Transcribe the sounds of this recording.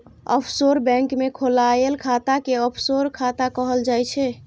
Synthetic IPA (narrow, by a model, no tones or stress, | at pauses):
ɔ̰pʰsoɾbɛ̃ŋkmekʰolajelkʰat̪akeɔpʰsoɾkʰat̪akəɦəld͡ʒajt͡ʃʰɛ